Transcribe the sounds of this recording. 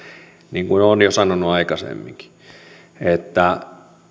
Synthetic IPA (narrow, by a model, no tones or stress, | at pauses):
niːŋkunonjosɑnonuɑikɑsḛmːḭŋki̥ | et̪ːæ